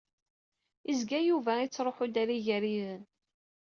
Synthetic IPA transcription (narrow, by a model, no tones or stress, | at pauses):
izɡæjuvæit͡sːɾˤoħʊd̪æɾiʝəɾiðən